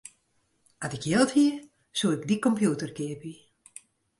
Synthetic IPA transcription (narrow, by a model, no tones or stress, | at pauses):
atɪkjɪlˠthiə | suəɪkdikɔmpjutərkɪəpi